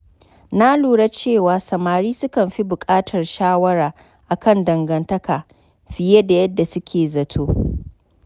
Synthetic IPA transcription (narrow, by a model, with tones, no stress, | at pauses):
na˦luː˨ɽa˦t͡ʃeː˦˨waː˨sɐ˨maː˨ɽiː˦sʊ˦kɐ˨mɸi˦bʊ˨kʼaː˦tʰɐ˨rʃaː˦wɐ˦ɾaː˨ | ʔa˨kɐ˦˨ndɐ˨ŋɡɐ˨ntɐ˦kaː˨ | ɸɪ˨je˦da˨jɐ˦dːa˨sʊ˦kʲʰeː˨zɐ˨tʰoː˦